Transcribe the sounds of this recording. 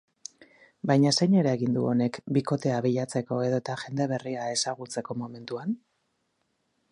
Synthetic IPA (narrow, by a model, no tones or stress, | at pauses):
bajɲasejɲe̞ɾaeɣind̪uo̞ne̞kbiko̞t̪e̞aβiʎat͡se̞ko̞eðo̞t̪aʝe̞nd̪e̞β̞e̞riae̞saɣ̞ut͡se̞ko̞mo̞me̞nt̪uan